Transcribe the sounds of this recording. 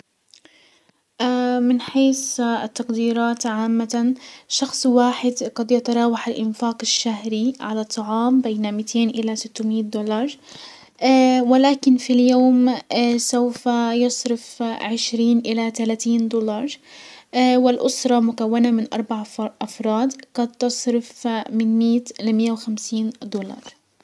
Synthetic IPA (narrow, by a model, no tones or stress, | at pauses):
ʔmɪnħeːsɪt̪ːɑqd̪iːɾˤɑːt̪ʕaːmːaʃɑxsˤwaːħɪd̪ɡɑd̪jɑt̪ɑɾˤɑːwaħɪlʔɪnfaːqɪʃːaɦɾiʕalat̪ˤːɑʕɑːmbeːnamiːt̪ʰeːnʔɪlasɪt̪ːʊmiːt̪̚d̪oːlɑːɾˤ | wɪlaːkɪnfiljoːmsawfajɑsˤɾɪfʕɪʃɾiːnʔɪlat̪alaːt̪iːnd̪olɑɾˤ | wɪlʔʊsɾˤɑmʊkawːanamɪnʔɑ̰ɾˤbaʕʔɑfɾˤɑːd̪qɑd̪̚t̪ɑsˤɾɪfmɪnmiːt̪lamɪjːawxamsiːnd̪olɑ̰ɾˤ